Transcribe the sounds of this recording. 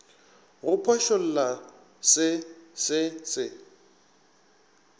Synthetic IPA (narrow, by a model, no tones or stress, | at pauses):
ɣʊpʰɔʃol̩la | sɪsɪsɪ